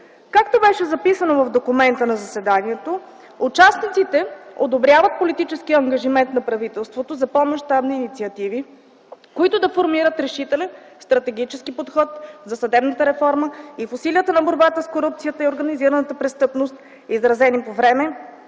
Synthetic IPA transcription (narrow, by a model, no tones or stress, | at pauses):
kakt̪obɛʃɛzɐpisənovɐvd̪okʊmɛnt̪ənɐzɐsɛd̪aniɛt̪o | ut͡ʃasnit̪sit̪ɛo̰d̪obɾjavət̪̚polit̪it͡ʃɛskiɐŋɡɐʒimɛnt̪nɐpɾɐvit̪ɛlˠst̪vot̪ozɐpomɐʃt̪abniːnit̪siɐt̪ivi | koit̪ʊd̪ɐfoɾmiɾət̪ɾɛʃit̪ɛlɛ | st̪ɾɐt̪ɛɡit͡ʃɛskipot̪xɔt̪zɐsɐd̪ɛbnət̪əɾɛfɔɾməifʊsiliət̪ənɐboɾbat̪əskoɾup̚t̪sijət̪əioɾɡəniziɾənət̪əpɾɛst̪ɤpnost̪ | izɾɐzɛnipovɾɛmɛ